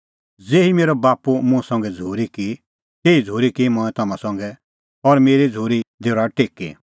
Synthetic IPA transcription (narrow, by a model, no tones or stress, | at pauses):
d͡zeːimeːɾɔbaːpumũɛsɐ̃ŋɡɛd͡zʱuːɾiki | t̪eːid͡zʱuːɾikimɔ̃ːɛ̃t̪ɐmãsɐ̃ŋɡɛ | ɔɾmeːɾid͡zʱuːɾid̪eːɾaʈeːkḭ